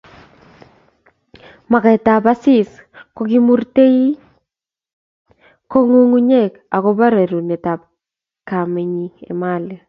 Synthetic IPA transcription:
ma˨ka˨ta˨pa˦sɪ˦˨sko˦ki˦mu˦ɾte˦i˦ | ko˦ŋu˦ŋu˦ɲe˦˨k | a˨ko˦ba˦ɾe˨ɾu˨ne˨ta˨p̚ | ka˨me˨ɲi˦ḛ˨ma˦˨li˨

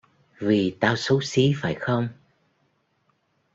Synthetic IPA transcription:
vi˨˩t̪aː˧wso˨˦si˨˦faː˧˩jxə˧wŋ͡m

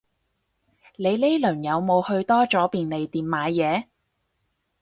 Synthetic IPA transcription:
le˨˧jle˥lɵ˨˩ŋjɐ˨˧wmo˨˧whɵ˧ɥt̪ɔː˥t͡ʃɔː˨˥piː˨nle˨˧jt̪iː˨mmaː˨˧jjɛː˨˧

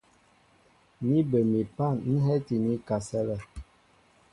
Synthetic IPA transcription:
ni˦bə˨mi˨pa˦˨nn̩˦ɦɛ˦ti˨ni˦ka˨sɛ˦lɛ˦˨

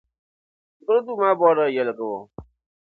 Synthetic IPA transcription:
kʊ˦ɾo˦du˦ma˦bɔː˦ɾə˦˨jɛ˨lə˨kə˨wɔ˨

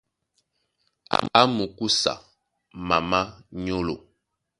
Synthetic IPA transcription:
a̰˨a˦mu˨ku˦sa̰˨ | ma˨ma˦ɲo˦lo˨

